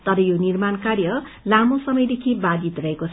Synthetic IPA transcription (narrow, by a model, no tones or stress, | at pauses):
t̪ʌɾʌjonirmankarjʌ | lamosʌmʌjd̪ekʰibad͡zit̪rʌɦekot͡sʰ